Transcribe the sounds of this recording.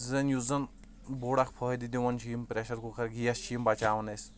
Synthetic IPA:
zɐnjuzɐn | boːɽakpʰɐːɦd̪id̪iʋɐnt͡ʃʰiːmpɾeʃɐɾkukʰɐɾɡijɐst͡ʃʰiːmbɐt͡ʃaːʋɐnesʲ

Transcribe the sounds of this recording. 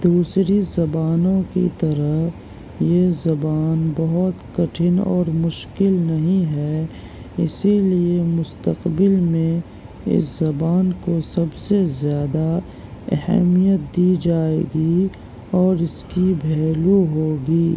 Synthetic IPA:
d̪uːsɾizɐbaːnõkḭt̪ɐɾəɦ | jezɐbaːnbɐɦʊt̪kɐʈʰɪnɔ̰ːɾmʊʃkɪlnɐɦĩɦɛː | ɪsiliemʊst̪əqbɪlmẽ | ɪ̰szɐbaːnkosɐbsezjaːd̪a | ɛ̰ɦɛ̰mijət̪̚d̪iːd͡ʒaːḛːɡi | ɔːɾɪskibʱɛːluɦoːɡiː

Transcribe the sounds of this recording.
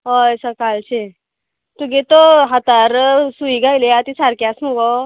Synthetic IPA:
ɦojsəkalt͡ɕʰe | t̪uɡet̪oɦat̪aɾsuiɡʱajleat̪isaɾkjasmuɡɔ

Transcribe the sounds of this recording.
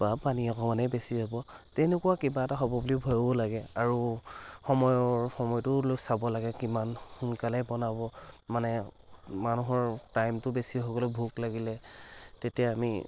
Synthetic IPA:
bapaniɔkʰɔmanɛbesiɦɔbɔtɛnekuwakɛbaɛtaɦɔbɔbulibʱɔjɔbɔlaɡɛaɹuxɔmɔjɔɹxɔmɔjtʊloksabɔlaɡɛkimanxunkalɛbɔnabɔmanɛ | manuɦɔɹtajmtʊbesiɦoɡɔlɔbʱuklaɡilɛtetijaamḭ

